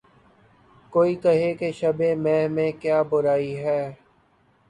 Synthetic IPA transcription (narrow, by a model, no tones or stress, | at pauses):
koːikɐɦekeʃɐbẽmɛ̃ːmẽkjaːbʊɾaːiɦɛː